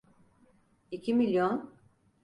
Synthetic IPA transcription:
icʰimilʲjon

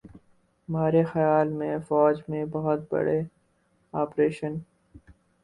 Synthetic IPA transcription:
hɐmaːɾexɐjaːlmẽfɔːd͡ʒmẽbɐɦʊt̪̚bɐ̰ɽe | aːpɾeːʃən

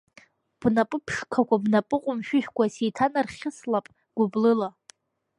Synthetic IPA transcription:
b̥napʼɨpʰʂkʰakʷʰabnapʼɨqʼʊmʃᶣʏʃᶣkʷʰasejtʰanarχʲɪslapʼ | ɡ̥ʷʊblɨla

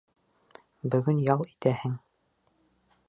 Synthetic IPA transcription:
bɵ̆ɡɵnjɑw̪ˠit̪æhɘŋ

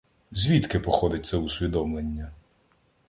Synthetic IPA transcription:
zʲʋʲit̪kɪpɔxɔd̪ɪt̚ʲt̪sɛusʲʋʲid̪ɔmlenʲːɐ

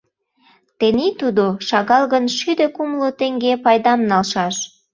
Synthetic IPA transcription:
t̪enit̪ud̪oʃɑɣɑlɣənʃyd̪økumlot̪eŋɡepɑjd̪ɑmnɑlʃɑʃ

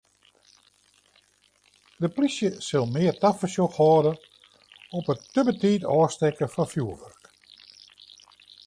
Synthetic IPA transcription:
dəplisjəsɪlˠmɪərtafəsjoxhɔːdə | ɔpətːøbətiːtɔːstɛkəfɔnfjuəʋørk

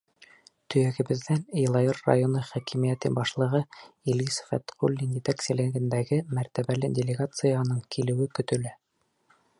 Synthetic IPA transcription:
t̪ɵ̆jæɡɘ̆bɘ̆ðænjlˠɑjorːa̰jonɤχækimijæt̪ɘbɑʃlˠɤ̆ʁɤilisfæ̰t̪qulʲːinjet̪æksɘ̆lɘ̆ɡɘ̆nd̪æɡɘmæɾt̪æβælɘdʲelʲɪɡat̪sɨjɑnɤɴkʰilɘ̆wɘkɵ̆t̪ɵ̆læ

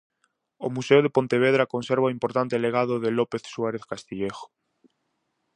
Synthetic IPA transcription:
o̰museoð̞epont̪eβ̞eðɾakonseɾβaoimpoɾt̪ant̪eleɣ̞að̞oðelopeθswaɾeθkast̪iʎexo̥

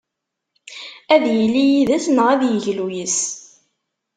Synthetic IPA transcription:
æðjəlːijiðæsnəʁæðjəʝlujəs

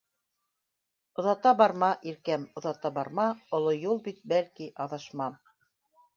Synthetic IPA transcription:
ŏðɑt̪ɑbɑɾmɑʔiɾkæmŏðɑt̪ɑbɑɾmɑŏlˠojulˠbit̪̚bælkiʔɑðɑʃmɑm

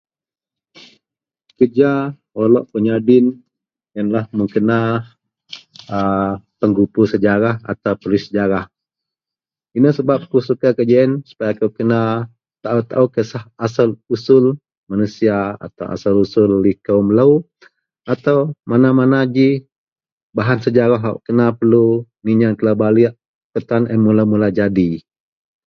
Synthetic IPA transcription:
kəd͡ʒa | olɔʔpəɲadɪn | jənlahməŋkəna | əpəŋɡupusəd͡ʒaɾaha̰t̪awpəlusəd͡ʒaɾah | inəhsəbap̚kusukakəd͡ʒaənsu̥pajakəwkəna | t̪aʔut̪a̰ʔukəsahasalusʊl | manusiaa̰t̪awʔa̰salusʊlːihkaumləw | at̪awmanamanad͡ʒi | baɦansəd͡ʒaɾaɦa̰ʔkənapəlu | niɲaŋk̪əlabaliʔ | kət̪anənmulamulad͡ʒadi

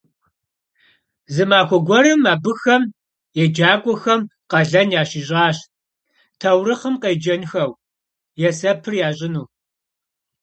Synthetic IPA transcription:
zɨmaːxʷɔɡʷɔɾɨmaːbɨxɐm | jɛd͡ʒaːkʷʼɔxɐmqɐɮɐnjaːɕiʑʼaːɕ | tʰɐwɾɨχəmqeːd͡ʒɐnxɐw | jɛsɐpʰɨrjaːɕʼɪnuː

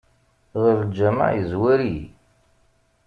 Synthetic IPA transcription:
ðəɾd͡ʒæma̰ʕjəzwæɾi

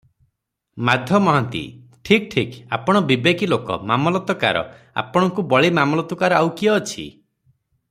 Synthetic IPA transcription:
mad̪ʱjɔmɔɦant̪ḭ | ʈʰik̚ʈʰika̰pɔɽ̃ɔbibekilokɔ̰mamɔlɔt̪ɔka̰ɾɔ̰ | a̰pɔɽ̃ɔŋkubɔɭimamɔlɔt̪ɔkaɾɔawkiɔːt͡ʃʰḭ

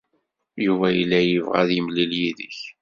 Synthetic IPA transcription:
juvæjilːæjəvʁæ̰ðjəmliljiðəç

